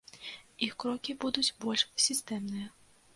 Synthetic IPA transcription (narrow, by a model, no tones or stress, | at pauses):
ixkɾɔkʲibud̪ʊt͡sʲbɔlʲʂsʲist̪ɛmnɨjɐ